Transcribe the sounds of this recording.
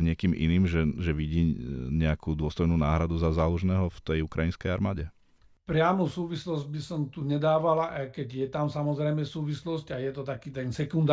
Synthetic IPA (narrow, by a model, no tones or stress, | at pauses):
ɲɪɛkiːmḭniːmʒɛʒɛʋiɟiːɲɛakʰud̪ʊɔst̪ɔjnuːnaːɦɾad̪uzazaːluʒnɛːɦɔft̪ɛjukɾajinskɛjaɾmaːɟɛ | pɾɪamusuːʋislɔzɟ̚bisɔmt̪uɲɛd̪aːʋalaʔakɛɟjɛt̪amsamɔzɾɛjmɛsuːʋislɔscajɛt̪ɔt̪akiːt̪ɛnsɛkund̪